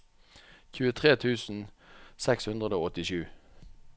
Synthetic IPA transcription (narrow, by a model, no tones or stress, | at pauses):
çʉːət̪ʰʁeːt̪ʰʉːsn̩sɛkshʉnd̪ʁəd̪oːɔt̪ɪʃʉː